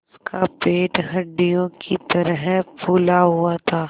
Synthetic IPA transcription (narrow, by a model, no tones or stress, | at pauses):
kapeːʈɦɐɖːijõkit̪ɐɾɦpuːlaɦuat̪ʰaː